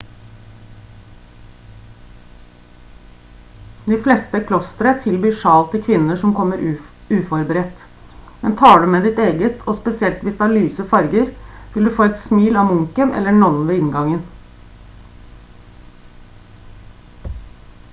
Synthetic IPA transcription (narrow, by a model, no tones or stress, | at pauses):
d̪ɪːflɛst̪əkʰlɔst̪əɾət̪ʰɪlbyːʂɑːlt̪ʰːɪlkʰʋɪnːəʂɔmkʰɔmːəɾ | ʉːfɔɾbəɾɛt̪ | mɛnt̪ʰɑːɖʉːmeːd̪ɪt̪eːɡət̪ʰoːspɛsɪɛlt̪ʋɪsd̪əæɭyːsəfɑɾɡəɾʋɪld̪ʉːfoːɛt̪smiːlɑːmʊŋkənʔɛ̰lːəɳɔnn̩ʋeːɪŋɡɑŋən